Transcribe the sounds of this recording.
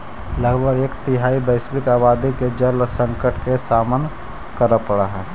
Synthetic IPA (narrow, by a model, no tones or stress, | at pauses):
ləɡbʱəɾeːkt̪ɪɦaːibəɪsbɪkaːbaːd̪iked͡ʒəlsə̃ŋkəʈkesaːmən | kəɾəpəɽaɦɛː